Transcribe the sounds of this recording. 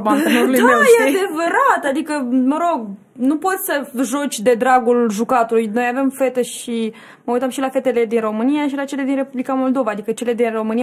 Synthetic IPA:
mat̪enoɾulud̪mejeaad̪e̞vəɾat̪ad̪ikəməɾo̞ɡ | nupo̞t̪ʲsəʒo̞t͡ʃʲd̪e̞d̪ɾaɡulʒukat̪ulujno̞jave̞mfe̞t̪eʃi | məujt̪əmʃilafe̞t̪e̞le̞d̪inro̞mɨnijaʃilat͡ʃe̞le̞d̪inre̞publikamo̞ld̪o̞vaːd̪ikət͡ʃe̞le̞d̪inro̞mɨnia

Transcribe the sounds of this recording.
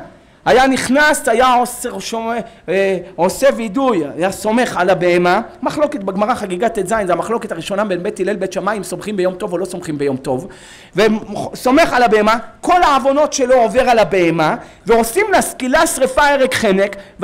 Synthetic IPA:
hajaniχnasajaoseʃo | o̞se̞vidujajaso̞me̞χalabeemamaχlo̞ke̞t̪̚beɡmaʁaχaɡiɡat̪ezajnzamaχlo̞ket̪aʁiʃo̞nabenbet̪ːilelbet̪ʃamaimso̞mχimbejo̞mt̪o̞vo̞lo̞so̞mχimbe̞jo̞mt̪o̞v | veso̞me̞χalabeemako̞laːvo̞no̞tʃe̞loove̞ʁalabeema | veo̞simleaskilasʁefaeʁekχenekv

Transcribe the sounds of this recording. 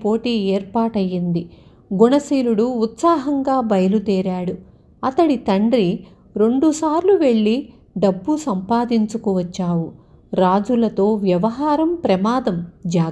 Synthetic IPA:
po̞ːʈiːeːɾpaːʈɐjːind̪i | ɡuɳɐsiːluɽuːt̪saːɦɐŋɡaːbɐjɐlut̪ɛːɾaːɽu | ɐt̪ɐɽit̪ɐɳɖɾi | ɾe̞ɳɖusaːɾluʋe̞ɭːi | ɖɐbːusɐmpaːd̪iɲt͡ʃukuʋɐt͡ʃːaːwu | ɾaːd͡ʒulɐt̪o̞ːʋjɐʋɐɦaːɾɐmpɾɐmaːd̪ɐmd͡ʒaː

